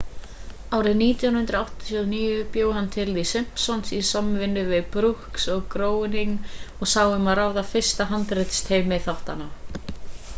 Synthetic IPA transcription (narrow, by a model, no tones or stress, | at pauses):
aːwɾɪðniːt̪jawnhʏnt̪ɾawht̪ɔ̥t̪ʰiɔðniːjʏpjoːwhanːt̪ʰɪlðisɪm̥psɔnsisamvɪnːʏvɪðpɾuhksɔɣkɾoːwniŋɔɣsaːwʏmaðraːwðafɪr̥st̪aɦant̪ɾɪt̪st̪heːjmɪθawht̪ana